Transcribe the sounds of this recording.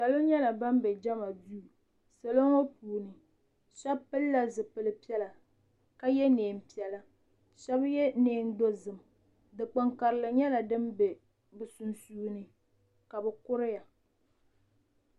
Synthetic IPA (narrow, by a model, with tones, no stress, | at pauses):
sa˨lo˦ɲɛ˦la˨ba˦m˦bɛ˨d͡ʒa˦ma˨duː˦˨ | sa˨lo˦ŋo˦puː˨nɨ˨ | ʃɛ˦pɨ˦lːa˦zɨ˨pɨ˨lɨ˨pi˦ɛ˦la˨ | ka˦jɛ˦neː˨m̩˨pi˦ɛ˨la˦ | ʃɛ˦bjɛ˦neː˨˦n˦do˦zɨ˨m˨ | dɨ˨k͡pɨ˨ŋka˨ɾɨ˨lɨ˨ɲɛ˦la˨dɨ˦mbe˨ | bɨ˨su˨nsuː˦nɨ˨ | ka˨bɛ˨kʊ˦ɾɪ˦ja˨